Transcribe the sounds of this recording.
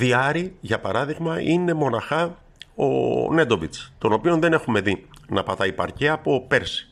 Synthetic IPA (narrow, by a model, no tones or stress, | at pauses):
ðiɐɾiʝɐpɐɾɐðiɣmɐine̞mo̞nɐxɐ | o̰ne̞d̪o̞vit͡st̪o̞no̞pio̞nðe̞ne̞xume̞ðinɐpɐt̪ɐipɐ̰ɾceɐpo̞pe̞ɾsi̥